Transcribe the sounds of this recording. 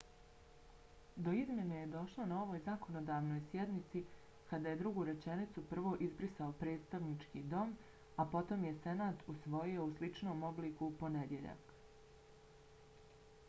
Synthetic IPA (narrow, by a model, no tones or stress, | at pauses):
d̪o̞izmʲje̞neje̞d̪o̞ʃlˠonao̞ʋo̞ːjzako̞nod̪aːʋno̞jsje̞d̪nit̪si | kad̪aje̞d̪ɾuɡuːɾe̞t͡ʃe̞nit̪supr̩ʋo̞ʔizbɾisaopɾe̞ːt̪st̪aʋnit͡ʃkiːd̪o̞m | apo̞t̪o̞mje̞se̞naːt̪usʋo̞jio̞uslˠit͡ʃno̞ːmo̞bliːkupo̞ned̪je̞ʎa̰k